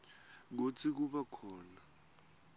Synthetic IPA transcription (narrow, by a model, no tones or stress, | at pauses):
k̬ut͡sʰik̬uɓakʰɔːna